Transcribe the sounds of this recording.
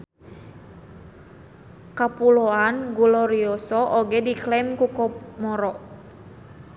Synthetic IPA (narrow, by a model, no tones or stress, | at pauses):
kapuloanɡulɔɾiɔsɔʔoɡɛdiklɛmkukɔmɔɾɔʔ